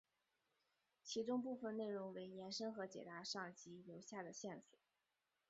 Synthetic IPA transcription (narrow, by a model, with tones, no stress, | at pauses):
t͡ɕʰi˧˥ʈ͡ʂʊ˥ŋp̬u˥˩fə˨˩ne˥˩ɪɻʊ˧˥ŋwe˧˥ɪnjɛ˧˥nʂɤ˥ŋxɤ˧˥t͡ɕjɛ̰˨˩t̪a˧˥ʂɑ˥˩ŋt͡ɕi˧˥ljo˧˥ʊɕja˥˩d̪ə˩ɕjɛ˥˩nswɔ̰˨˩˦